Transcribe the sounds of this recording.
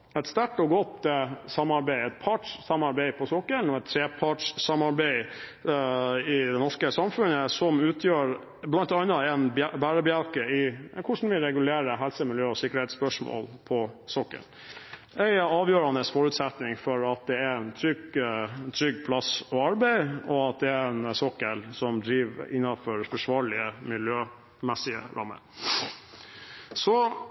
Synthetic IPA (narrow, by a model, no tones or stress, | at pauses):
ɛt̪st̪æʈɔɡɔt̪əsɑmːɑɾbæɪɛt̪̚pʰɑːʈʂsɑmɑɾbæɪpʰɔsɔkːənɔɛt̪t̪ʰːɾeːpʰɑːʈʂsɑmɑɾbæɪ | ɪd̪ɛnɔʂkəsɑmfʉnəsɔmʉːt̪ʰjøːɾ | blɑnt̪ɑnːɑɛnbæːɾəbjɑlkəɪkʰʊʂn̩ʋɪɾɛɡʉleːɾəɦɛlsəmɪljøːɔsɪkːəɾhɛɪspœʂmo̰ːlpʰɔsɔkːə̰ɳ | ɛɪɑːʋjøːɾɑnəsfɔɾʉːt̪sɛt̪nɪŋfɔɾɑt̪̚d̪ɛɛnt̪ʰɾʏɡt̪ʰɾʏɡpʰlɑsɔɑɾbæɪɔɑt̪̚d̪ɛæɾɛnsɔkːəlsɔmd̪ɾiːʋɪ̰nːɑnfɔɾfɔʂʋɑːɾɭɪəmɪljøː | mɛsɪə̰ɾʔɑ̰mːə̰ɾ | sɔ